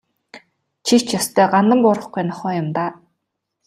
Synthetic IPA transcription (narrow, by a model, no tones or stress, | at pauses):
t͡ɕʰit͡ɕjɔst̪ʰœːɢanə̆mpʊɾə̆χɡujnɔχœːjʊmt̪aː